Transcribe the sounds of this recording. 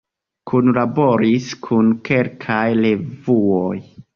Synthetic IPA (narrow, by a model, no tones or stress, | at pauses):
kʰunlabo̞ɾiskʰunkʰe̞lkʰajle̞vuoj